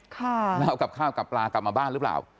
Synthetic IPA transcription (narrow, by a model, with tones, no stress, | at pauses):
kʰa˥˩lɛ˦˥wka˨˩p̚kʰaː˥˩wka˨˩pːlaː˧klp̚maː˧baː˥˩nɾɯ˦˥pla̰ː˨˩w